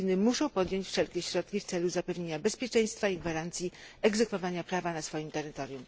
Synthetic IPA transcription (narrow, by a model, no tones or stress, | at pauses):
inɘmuʂɔ̃w̃pɔd̪ʲjɔɲt͡ɕfʂɛlkʲɛɕɾɔt̪̚kʲift̪sɛluzapɛvɲeɲabɛspʲjɛt͡ʂɛ̃j̃st̪faiɡvaɾant̪sʲjiɛɡzɛkfɔvaɲapɾavanasfɔjimt̪ɛɾɘt̪ɔɾjum